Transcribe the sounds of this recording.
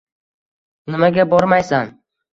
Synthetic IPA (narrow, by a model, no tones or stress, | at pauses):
nɪmaɡʲabɒɾmajsan